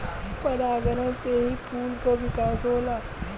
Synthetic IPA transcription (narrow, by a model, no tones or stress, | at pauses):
pɐɾaːɡəɾə̃seɦipʰuːlkoʋɪkaːsɦoːlaː